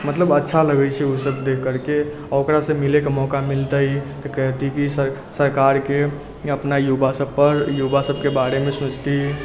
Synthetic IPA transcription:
mət̪ləbətːʃʰaləɡɛt͡ʃʰɛusəbd̪ekːəɾke | okɾasə̃milekemɔkamilt̪əjt̪əkəɦt̪ikisə | səɾkaɾke | əpnajubasəbpːəɾjubasəbkebaɾemesũt͡ʃt̪i

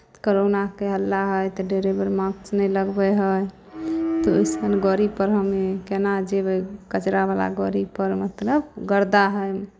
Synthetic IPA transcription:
koɾonakeɦəlːaɦəjt̪ɔɖeɾebəɾmãkt͡ʃnɛjləɡbɛɦəj | t̪ɔojsənɡɔɾipəɾɦəmekenad͡ʒebəjkət͡ʃɾabala̰ɡɔɾipəɾmət̪ləbɡəɾd̪aɦəj

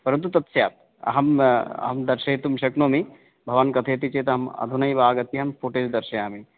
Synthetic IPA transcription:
pɐɾɐnt̪̬ut̪ɐt̪sjaːt̪̚ | ɐ̰ɦɐmɐ̰ɦɐmd̪ɐɾʃɐːt̪umʃɐknoːmi | bʱɐʋankɐt̪ʰeːt̪it͡ʃeːt̪ɐɦɐmɐ̰d̪ʱunɐjbaːɡɐt̪iɦɐmpʰoʈeːd͡ʒd̪ɐɾʃɐjaːmi

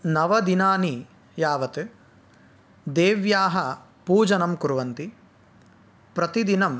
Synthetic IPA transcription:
nɐʋɐd̪inaːni | jaːʋɐt̪ɨ | d̪eːʋjaːɦɐ | puːd͡ʒɐnɐmkuɾuʋɐnt̪i | pɾɐt̪id̪inɐm

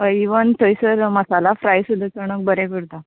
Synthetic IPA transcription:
əiʋənt̪əjsəɾməsalafɾajsud̪ʱːət͡səɳ̃ək̚bəɾekəɾt̪a

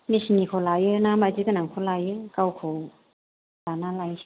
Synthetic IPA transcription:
misnikʰɔlajɯnamad͡ʒikɯnaŋkʰolajɯkawkʰow | lanalajn

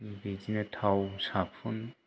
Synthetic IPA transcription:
bid͡ʒinet̪ʰawsapʰun

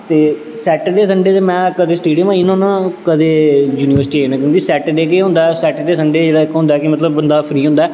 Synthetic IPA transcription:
t̪eː | sɛːʈəd̪eːs̬əɳɖeːt̪eːmɛ̃ːkəd̪eːsʈiːɖijəmãːɪnõːnãːkəd̪eːjuːniʋəɾsʈiːeːnãːkjõːkisɛːʈɖ̪eːk̬eːɦʊ̃nd̪aɛsɛːʈd̪eːs̬əɳɖeːd͡ʒeːɽaːɪkɦʊ̃nd̪aːkɪmət̪ləbbənd̪aːpʰɾiːɦʊ̃nd̪aɛː

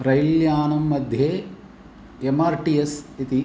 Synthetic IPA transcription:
ɾɐjljaːnɐmːɐd̪ʱjeː | emaːɾʈijesit̪i

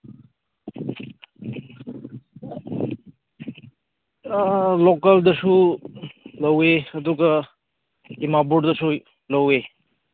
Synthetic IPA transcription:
lokɐldɐsu | lɐweɐduɡa | imabuʈdɐsu | lɐwe

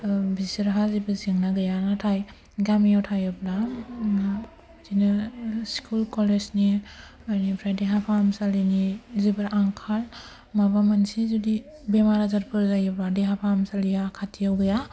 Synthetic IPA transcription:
bisiɾɦazibɯziŋnaɡɯjanatʰaj | ɡamijawtʰajɔbla | zinaskʰulkɔlesniajnipʰɾajdeɦapʰamsalinizibɯɾaŋkʰal | mabamansizudi | bemaɾazaɾpʰɯɾzajɯbadeɦapʰamsalijakʰatʰijawɡɯja

